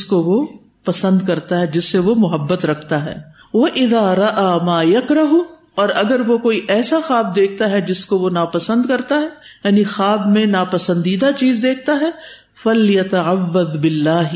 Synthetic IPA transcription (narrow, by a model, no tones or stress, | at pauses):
skoʋo | pɐsə̃nd̪kɐɾt̪aɦɛd͡ʒɪsːeʋomʊɦɐbːət̪ɾɐkʰt̪aɦɛ̰ː | ʋɐʔɪðaːɾɐʔaːmaːjɐkɾɐɦu | ɔːɾɐɡəɾʋokoːiʔɛːsaxaːb̚d̪eːk̚ʰt̪aɦɛd͡ʒɪskoʋonaːpɐsə̃nd̪kɐɾt̪aɦɛːjaːnixaːbmẽnaːpɐsə̃nd̪iːd̪at͡ʃiːzd̪eːk̚ʰt̪aɦɛː | fɐljɐt̪ɐʕaʋːɐðbɪlːaːɦ